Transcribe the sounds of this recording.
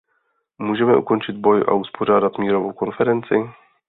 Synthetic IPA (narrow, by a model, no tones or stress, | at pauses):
muːʒɛmɛʔṵkont͡ʃɪd̪bojʔa̰uspʰoʒaːdat̪mʲiːɾovowkonfɛɾɛnt͡sɪ